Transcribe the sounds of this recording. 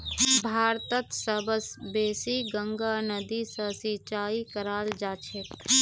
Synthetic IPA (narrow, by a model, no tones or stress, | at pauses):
bʱaːɾt̪ət̪sɐbəsbeːsiɡə̃ŋɡaːnɐd̪isɐsit͡ʃaːikɐɾaːld͡ʒaːt͡ʃʰet̪